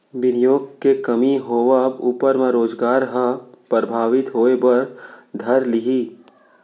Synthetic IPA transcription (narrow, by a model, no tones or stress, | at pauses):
ʋɪnijoːɡkekɐmiɦoːʋəbuːpəɾmẽɾoːzɡaːɾɦə̃pɾəbʱaːʋɪt̪ɦoːebɐɾd̪ʱɐɾlɪɦiː